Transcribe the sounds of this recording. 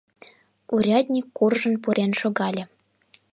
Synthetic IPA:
uɾʲɑd̪ʲnʲikːurʒə̆npuɾenʃoɣɑlʲɤ̆

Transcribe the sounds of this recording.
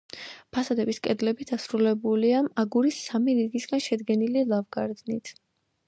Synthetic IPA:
pʰasad̪ɛbiskʼɛd̪lɛbid̪asɾulɛbuliamaɡuɾisːamiɾiɡisɡanʃɛd̪ɡɛnililˠavɡaɾd̪nit̪ʰ

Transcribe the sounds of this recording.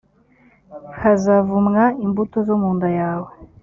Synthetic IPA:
hazavumŋaimbutozomuːndajaːwe

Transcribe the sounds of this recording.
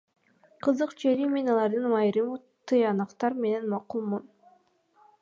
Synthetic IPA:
qʰɯzɯqt͡ʃʰelime̞nɑlˠɑɾd̪ɯnmɑjɾɯm | t̪ɯjɑnɑqt̪ɑɾme̞ne̞nmɑqulˠmun

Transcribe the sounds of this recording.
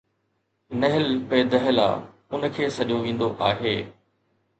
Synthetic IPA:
nɐɦɪlpeːd̪əɦɪla̰ː | ʊnkʰeːsɐʄoʋĩːn̆d̪oʔaːɦeː

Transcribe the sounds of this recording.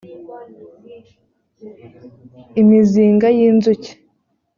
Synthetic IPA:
imiziːŋɡajiːnzuce̥

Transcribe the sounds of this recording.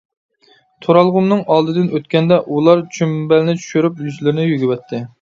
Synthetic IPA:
t̪ʰoɾɑlˠʁʊmnɨŋɑlˠd̪ɨd̪ɪnøt̪kʲɛnd̪ɛʔulˠɑɾt͡ʃʰymbɛlɪnɪt͡ʃʰy̥ʃyɾypjyzlɪɾɪnɪjyɡʲɪwɛt̪ʰːɪ

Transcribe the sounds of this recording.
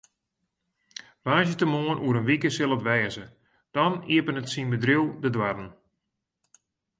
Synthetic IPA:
ʋaːsjətəmoːənʔuəɾənʋikəsɪlˠətʋɛːzə | d̥ɔniəpənətsinbədrilˠdədwadən̩

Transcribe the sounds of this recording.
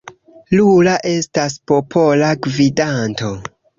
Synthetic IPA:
lulaʔe̞staspo̞pʰo̞laɡvidanto̞

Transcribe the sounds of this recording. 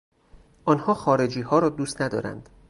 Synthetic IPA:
ʔɒːnhɒːxɒːɾe̞d͡ʒiːhɒːɾɒːd̪uːst̪næd̪ɒ̰ːɾæ̰nd̪̥

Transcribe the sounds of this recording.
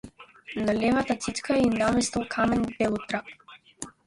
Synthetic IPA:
nalɛvat̪at̪sit̪kainamɛst̪ɔlˠkʰamɛnbɛlˠɔt̪ɾap̚

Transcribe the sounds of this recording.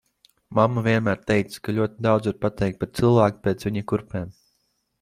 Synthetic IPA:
mamːuvʲiɛnmæːɾt̪ɛjt̪skalʲuɔt̪id̪awd̪ziɾpat̪ɛjk̚t̪̚paɾt̪sɨlˠvæːku̥pʲɛːt̪sʋiɲakuɾpɛːm

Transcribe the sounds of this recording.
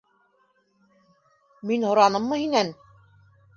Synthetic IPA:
minhŏɾɑnɤmːɤhinæn

